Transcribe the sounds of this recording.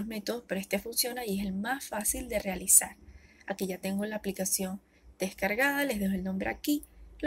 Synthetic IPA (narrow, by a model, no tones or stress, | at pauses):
ozme̞t̪oðospeɾoest̪efunsjo̞naie̞se̞lmasfasild̪e̞realisaɾakiʝat̪e̞ŋɡolaːplikasjo̞n | d̪̥e̞skaɾɣaðale̞zðexoelnõ̞mbɾeakil